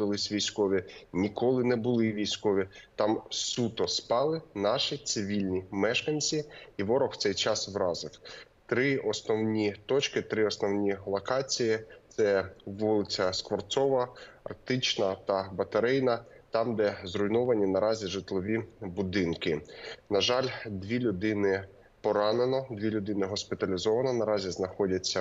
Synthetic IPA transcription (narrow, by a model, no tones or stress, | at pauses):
d̪ɪlˠɪsʲʋʲijsʲkɔʋʲinʲikɔlˠɪnɛbʊlˠɪʋʲijsʲkɔʋʲit̪ɑmsut̪ɔspɑlˠɪnɑʃit̪sɪʋʲilʲnʲimɛʃkɐnʲt͡sʲiːʋɔɾɔxwt̪sɛjt͡ʃɑsʋɾɑzɪw | t̪ɾɪɔsnɔwnʲit̪ɔt͡ʃkɪt̪ɾɪɔsnɔwnʲilˠɔkɑt͡sʲijitt̪sɛʋulˠɪt͡sʲɐskʋɔrt̪sɔʋɐɐ̰rk̚t̪ɪt͡ʃnɐt̪ɐbɐt̪ɐɾɪjnɐt̪ɑmd̪ɛzɾʊjnɔʋɐnʲinɐɾɑzʲiʒɪt̪lˠɔʋʲibʊd̪ɪnkɪnɐʒɑlʲd̪ʲʋʲilʲʊd̪ɪnɪ | pɔɾɑnenɔd̪ʲʋʲilʲʊd̪ɪnɪɦɔspʲɪt̪ɐlʲizɔʋɐnɔnɐɾɑzʲiznɐxɔdʲɐt͡sʲːɐ